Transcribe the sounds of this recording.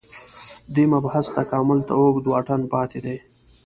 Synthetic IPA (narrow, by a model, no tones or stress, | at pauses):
d̪emabhast̪akɑːmʊlt̪a̰okd̪wɑʈanpɑːt̪ed̪aj